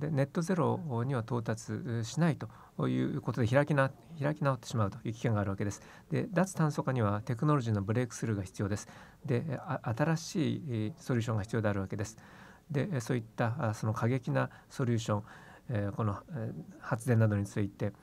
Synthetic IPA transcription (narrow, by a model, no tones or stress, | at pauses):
d̪e̞ne̞t̪ːo̞ze̞ɾo̞ɲ̟iβat̪o̞ːt̪at͡sɨɕinait̪o̞ | jɯ̰ːko̞t̪o̞d̪e̞çiɾakʲina | çiɾakʲinao̞t̪ːe̞ɕimaɯ̟t̪o̞jɯ̟ːkʲi̥kẽ̞ŋɡaːɾɯ̟βake̞d̪e̞sɨ̥ | d̪e̞d̪at͡sɨ̥t̪ãɰ̃so̞kaɲ̟iβat̪e̞kɯ̟no̞ɾo̞ʑiːno̞bɯ̟ɾe̞ːkɯ̟̥sɨɾɯ̟ɡaçi̥t͡sɨjo̞ːd̪e̞sɨ̥ | d̪e̞at̪aɾaɕiːso̞ɾʲɨːɕ̬õ̞ŋɡaçi̥t͡sɨjo̞ːd̪e̞aɾɯ̟βake̞d̪e̞sɨ̥ | d̪e̞so̞ːit̪ːaso̞no̞kʰaɡe̞kʲina | so̞ɾʲuːɕõ̞ŋko̞no̞hat͡sɨd̪enːad̪o̞ɲ̟it͡sɨit̪e̞